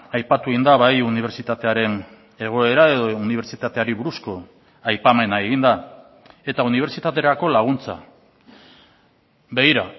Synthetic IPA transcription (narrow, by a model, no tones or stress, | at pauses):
ajpat̪ueɣind̪aβajuniβ̞e̞ɾt͡sit̪at̪e̞aɾe̞n | e̞ɣ̞o̞e̞ɾae̞ðo̞uniβe̞ɾt͡ʃit̪at̪e̞aɾiβuɾusko̞ | ajpame̞naeɣind̪a | e̞t̪auniβe̞ɾt͡ʃit̪at̪e̞ɾako̞laɣ̞unt͡sa̰ | be̞ɣiɾa